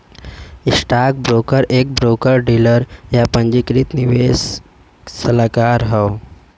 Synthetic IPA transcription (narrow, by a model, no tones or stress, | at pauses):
isʈak̚bɾokəɾek̚bɾokəɾɖiləɾjapəɲd͡ʑikɾiːt̪niʋes | səlakaɾɦəw